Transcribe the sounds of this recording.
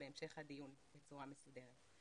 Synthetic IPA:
beemʃe̞χhadijunbet͡suʁamesude̞ʁet̪

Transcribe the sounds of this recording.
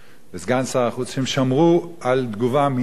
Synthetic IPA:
bɪsɡant͡saaχut͡shimʃamʁuald̪ɡuvami

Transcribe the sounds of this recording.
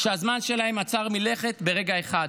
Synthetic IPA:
ʃeazmanʃe̞lahemat͡saʁmile̞χe̞t̪be̞ʁe̞ɡaeχad

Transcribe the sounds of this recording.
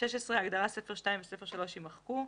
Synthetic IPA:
ʃeʃesʁeaɡd̪aʁasefeʁʃtaimvesefe̞ʃalo̞ʃimaχku

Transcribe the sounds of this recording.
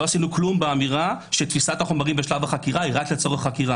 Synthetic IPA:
o̞asinuklumbeamiʁaʃet̪fisat̪haχomaʁimbeʃlavaχakiʁaiʁat̪let͡so̞ʁeχːakiʁa

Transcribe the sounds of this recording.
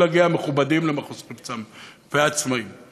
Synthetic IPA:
aɡiameχubadimlemaχoskipt͡sam | veat͡smaim

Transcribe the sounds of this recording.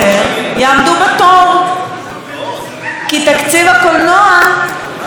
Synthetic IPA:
ejaamd̪ubat̪om | kit̪akt͡sivakolnoa

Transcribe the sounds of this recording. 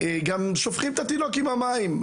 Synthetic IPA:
eɡamʃofχimet̪at̪ino̞kimamaim

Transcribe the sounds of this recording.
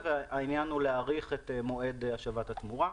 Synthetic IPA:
veainjanuleaʁiχet̪emoe̞daʃavatat̪muʁa

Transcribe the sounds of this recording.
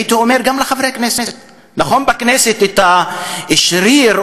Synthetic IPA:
it̪iomeʁɡamleχavɾeaknesest̪ | naχo̞nbakneset̪et̪aeʃʁiʁ

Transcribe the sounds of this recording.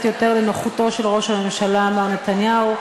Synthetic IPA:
t̪jo̞te̞ʁlenoχuto̞ʃelʁo̞ʃhame̞mʃalaːmaʁnet̪anjau

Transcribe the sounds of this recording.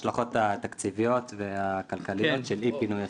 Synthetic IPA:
ʃlaχo̞t̪at̪akt͡sivijo̞t̪veakalkalijjot̪ʃelipinuja

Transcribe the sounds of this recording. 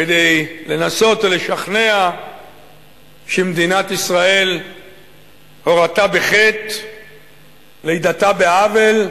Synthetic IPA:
ked̪ejle̞naso̞t̪ole̞ʃaχne̞a | ʃemd̪inat̪isʁae̞l | ho̞ʁat̪abe̞χe̞t̪ | leid̪at̪abeavel

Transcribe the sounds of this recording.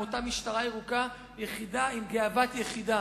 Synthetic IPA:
otamiʃtaʁajeʁuka | jeχidaimɡeavat̪jeχid̪a

